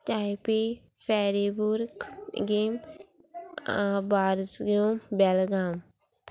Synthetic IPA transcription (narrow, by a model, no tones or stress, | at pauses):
t͡ʃajpi | pʰɛɾibuɾkɡeːm | baːɾsɡɾoːmbɛlɡaːm